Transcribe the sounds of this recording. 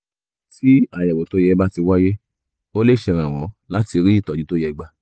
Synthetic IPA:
ti˦a˨jɛ˨wo˨to˨˦jɛ˧ba˦ti˧wa˦je˦ | o˦le˦˨ʃɛ˧ɾ̃ã˨w̃ɔ̃˨˦la˦ti˧ɾi˦i˦˨tɔ˨d͡ʒĩ˨˦to˦jɛ˧ɡ͡ba˧˨

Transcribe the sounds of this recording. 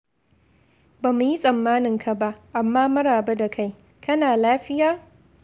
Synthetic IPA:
baː˨mu˨ji˦sʼɐ˨mːaː˦nɪ˨ŋkʰa˨ba˦ʔʔa˨mːaː˦mɐ˦ɽaː˨ba˦da˨kʰa˦j | kɐ˦naː˨laː˦ɸɪ˦jaː˦

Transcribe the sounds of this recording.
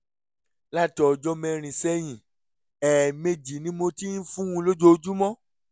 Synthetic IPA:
la˦˨tɔ˨d͡ʒɔ˧mɛ̃˧ɾ̃ĩ˨sɛ˦j̃ĩ˨ | ɛː˨me˧d͡ʒi˨nĩ˨˦mo˧ti˦n̩˦fũ˦ũ˧lo˦d͡ʒo˦˧d͡ʒu˦mɔ̃˦

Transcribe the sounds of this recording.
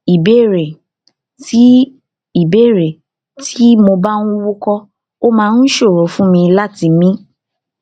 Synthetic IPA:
i˨be˦˨ɾe˨ | ti˨˦ | i˨be˦˨ɾe˨ | tʰi˦mo˧ba˦nũ˦wu˦kɔ˦ | o˦mãː˧˦˧n̩˦ʃo˦˨ɾo˨˦fũ˦mĩ˧la˦˨ti˧mĩ˦

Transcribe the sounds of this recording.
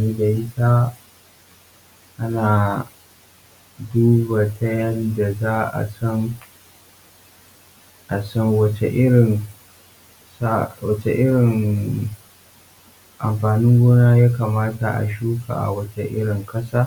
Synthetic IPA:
niː˦da˨ʔɪ˦tʰaː˦ | ʔa˦naː˨ | duː˦ba˨tʰɐ˦jɐ˦nda˨zaː˦ʔa̰˨sɔ˦n | ʔa˨sɔ˦ŋwɐ˦t͡ʃḛ˨ʔɪ˦ɽɪ˨n | sa˦wɐ˦t͡ʃḛ˨ʔɪ˦ɽɪ˨ŋ | ʔa˨mɸaː˨nɪ˦ŋɡʷoː˦naː˦jaː˦ka˨maː˦ta˨ʔa̰˨ʃuː˦ka̰˨ʔa̰˨wɐ˦t͡ʃe˦ʔɪ̰˦ɽɪ˨ŋkɐ˦saː˦

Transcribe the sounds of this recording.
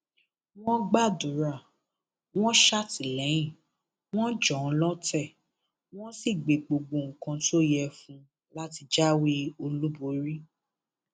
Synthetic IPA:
w̃ɔ̃˦ɡ͡ba˦˨dũ˨˦ɾa˦˨ | w̃ɔ̃˦ʃa˦˨ti˨lɛ˨˦jĩ˦˨ | w̃ɔ̃˦d͡ʒɔ̃˨˦lɔ˦tɛ˦˨ | w̃ɔ̃˦si˦˨ɡ͡be˨ɡ͡bo˨ɡ͡bo˨˧˨ŋ̩˨kã˧to˦jɛ˧fũ˧ | la˦ti˧d͡ʒa˦wi˦o˧lu˦bo˨˦ɾi˦

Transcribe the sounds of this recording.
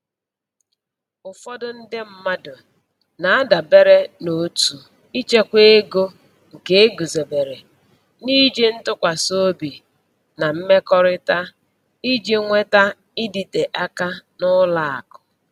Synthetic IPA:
ʊ˨fɔ˦dʊ˦n̩˦dɪ˦m̩˦ma˦dʊ˨ | na˨a˦da˨be˦ɾe˦no˨tu˨ | i˦t͡ʃe˦kʷe˦e˦ɡo˦ | ŋ̩˨ke˦e˦ɡu˨zo˨be˨ɾe˨ | ni˦d͡ʒe˦n̩˦tʊ˦kʷa˨so˦bi˨ | na˨m̩˦me˦kɔ˦ɾɪ˦ta˦ | i˦d͡ʒi˦ŋʷe˦ta˦ | ɪ˦di˨te˨ʔa˦ka˦nʊ˦la˦˨a̰˨kʊ̥˨

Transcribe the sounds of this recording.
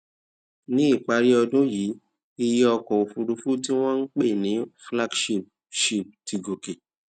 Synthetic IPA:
nĩ˦i˦˨k͡pa˨˦ɾi˦ɔ˧dũ˦ji˨˦ | i˧jɛ˦ɔ˧kɔ˨o˨fu˨˧ɾu˨˧fu˦ti˦w̃ɔ̃˦n̩˦k͡pe˦˨nĩ˨˦fla˦ɡʃi˦˨p̚ | ʃi˨p̚ti˧ɡo˨ke˨

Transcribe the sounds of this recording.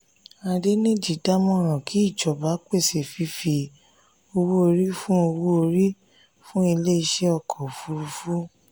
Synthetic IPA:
a˧de˦nẽ˦d͡ʒi˨da˦mɔ̃˦˨ɾ̃ɔ̃˨ki˨˦i˦˨d͡ʒɔ˨ba˨˦k͡pe˦˨se˨fi˧˦fi˧ | o˧wo˦o˧ɾi˦fũ˦o˧wu˦o˧ɾi˦ | fũ˦i˧le˦i˧ʃɛ˦ɔ˧˨kʰɔ˨fu˧ɾu˧fu˦

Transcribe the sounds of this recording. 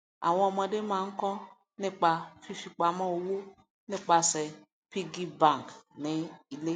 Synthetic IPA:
a̰˨wɔ̃˦ɔ˧˨ma˧dɪ˦mã˨ŋ̩˦kɔ˦ | nɪ˦k͡pa˨fi˦fi˨k͡pa˨ma˦o˨wo˦ | nɪ˦k͡pa˨se˨ | pi˦ɡi˦bã˨ŋ˨knɪ˨i˨le˦

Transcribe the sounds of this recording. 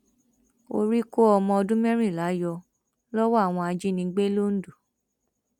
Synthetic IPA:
o̰˧ɾi˦ko˦ɔ˧mɔ̃˧ɔ˧dũ˦mɛ̃˦ɾ̃ĩ˦˨la˨˦jɔ˧ | lɔ˦wɔ˦a˦˨w̃ɔ̃˧a˧d͡ʒi˦nĩ˧˦ɡ͡be˦lo˦n̩˦du˨

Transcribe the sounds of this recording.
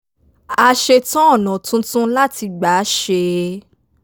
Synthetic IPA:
a˧ʃe˧tɔ̃˦ɔ˦˨nɔ̃˨tũ˦tũ˦la˦ti˧ɡ͡ba˨˦ʃe˧

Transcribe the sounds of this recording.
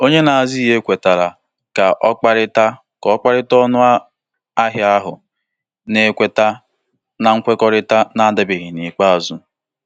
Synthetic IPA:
o˦ɲe˦na˨a˨zi˦ɦe˦kʷe˨ta˨ɾa˨ | ka˨ʔɔ˦k͡pa˦ɾɪ˦ta˦ | kɔ˦k͡pa˦ɾɪ˦tɔ˦nʊ˦a˦ | a˦ɦja˦ɦʊ̰˨ | ne˨˦kʷe˦ta˦ | na˨ŋ̩˦kʷe˦kɔ˦ɾɪ˦ta˦na˦dɪ˨bɪ˨ɣɪ˨ni˨k͡pa˦a˨zu˨

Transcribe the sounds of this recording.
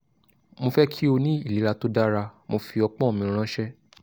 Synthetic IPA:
mo˧fɛ˦kʰi˦o˧nĩ˦i˦˨li˨˦ɾa˧to˦da˦ɾa˧mo˧fi˧ɔ˧k͡pɔ̃˦˨mĩ˧ɾ̃ã˦ʃɛ˦

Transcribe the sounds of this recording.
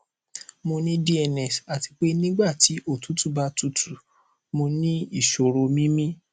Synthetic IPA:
mo˧nĩ˦di˦ɛ˧˨nɛ˨sa˨ti˧k͡pe˦nĩ˦ɡ͡ba˦˨ti˨˦ʔo˦˨tu˨˦tu˦ba˦tu˦˨tʰu˨ | mo˧nĩ˦i˦˨ʃo˨ɾo˧mĩ˦mĩ˦

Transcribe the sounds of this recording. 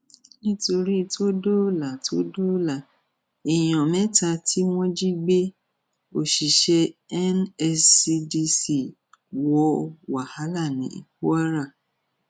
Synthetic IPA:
nĩ˦to˧ɾi˦˧tʰo˦do˦la˨tʰo˦do˦la˦˨ | i˨j̃ɔ̃˨mɛ̃˨˦ta˧tʰi˦w̃ɔ̃˦d͡ʒi˦ɡ͡be˦ | o˨ʃi˨ʃɛ˧ɛ˦nɛ˧si˧di˧si˨ | wɔ˧˦wa˨ha˨˦la˦˨nĩ˨˦ḭ˨ku˦a˦ɾa˦˨

